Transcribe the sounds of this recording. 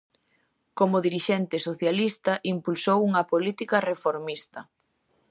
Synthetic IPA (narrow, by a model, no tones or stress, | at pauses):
komʊðiɾiʃɛnt̪ɪsoθjalist̪ɐʔimpulsowuŋɐpolit̪ikɐrefoɾmist̪ɐ